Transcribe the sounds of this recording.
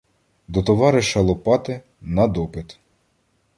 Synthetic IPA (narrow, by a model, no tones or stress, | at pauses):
d̪ɔt̪ɔʋɑɾɪʃɐlˠɔpɑt̪ɪ | nɐd̪ɔpɪt̪